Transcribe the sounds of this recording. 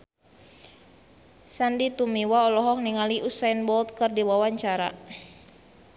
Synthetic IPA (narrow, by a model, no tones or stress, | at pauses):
sandit̪umiwaɔlɔɦɔk̚niŋaliʔusainbɔlt̪̚kɨrdiwawaɲt͡ʃaɾa̰